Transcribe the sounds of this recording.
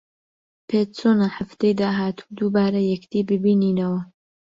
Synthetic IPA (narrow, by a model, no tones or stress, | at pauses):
pʰet̪t͡sonaħaft̪ejd̪aːɦaːt̪ʰu̥d̪ubaːɾɐjɛkd̪iːbɨbiːniːnɐwɐ